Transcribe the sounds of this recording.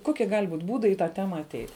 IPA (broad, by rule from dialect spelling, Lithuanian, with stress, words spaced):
ˈkoːkʲiɛ ɡɐlʲ buːtʲ ˈbuːdɐɪ iː tɑː ˈtʲæːmɐ ɐˈtʲɛɪtʲ